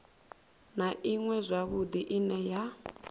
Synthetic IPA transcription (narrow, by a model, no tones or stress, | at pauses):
naʔiŋwɛzʷaβud̪iʔinɛja